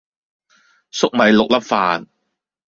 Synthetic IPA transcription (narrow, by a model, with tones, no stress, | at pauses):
sʊ˥k̚mɐ˨˧jlʊ˨k̚lɐ˦˥p̚faː˨˧n